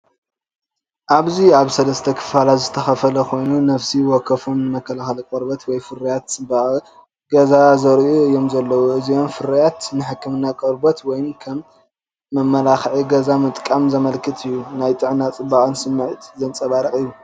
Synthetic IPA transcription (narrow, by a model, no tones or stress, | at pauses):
ʔaβziaβsɐlɐst̪ʰɐkʰɨ̥falazɨt̪ʰɐxɐfɐlɐkʰo̞jnunɐfsiwɔkʰːɐfunːɨmɐkʰːɐlaxɐlɐkʼɐɾbɐt̪wɔjfɨɾɐjat̪t͡sʼɨba | ɡɐzazɐɾʔuɨjo̞mzɐlːɐwoɨzio̞mfɨɾɐjat̪nɨħɨkːɨmɨnːakʼɐɾbɐt̪wɔjnkʰɐmː | ɐmːɐlaxʕiɡɐzamɨt̪ʼkʼamzɐmɐlkʰɨt̪ʰɨjːunajt̪ʼɨʕnat͡sʼɨbaχʼɨnsɨmːɨʕɨt̪zɐnt͡sʼɐβaɾɐkʼɨjːu